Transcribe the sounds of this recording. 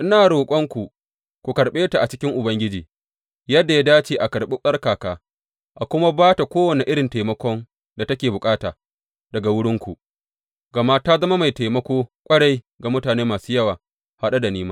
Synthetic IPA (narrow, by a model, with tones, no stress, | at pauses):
ʔɪ˦naː˨ɽoː˨kʷʼɔ˦ŋkʷu˨ | kʷu˨kɐ˨ɽɓeː˦ta˨ʔa˨t͡ʃɪ˦kʲɪ˦ŋʔʊ˨bɐ˦ŋɡʲɪ˦d͡ʒiː˨ | jɐ˦dːa˨ja˦daː˦t͡ʃeː˨ʔa˨kɐ˨ɽɓɪ˦ɸʼɐ˦rkaː˨kaː˦ | ʔa˨kʷʊ˦ma˦baː˦ta˨kʷoː˦wɐ˨ne˨ʔɪ˦ɽɪ˨nta˨jmɐ˦kʷɔ˦ŋ | da˨tɐ˦kʲeː˨bʊ˨kʼaː˦taː˨ | dɐ˨ɡa˨wʊ˦ɽɪ˦ŋkʷu˨ | ɡɐ˨ma˦ta˦zɐ˦ma˦ma˨jta˨jmɐ˦kʷoː˦kʷʼɐ˦ɽa˦j | ɡa˨mʊ˦taː˨neː˦maː˨suː˦jɐ˦waː˨ | ha˦ɗa˦da˨niː˦maː˦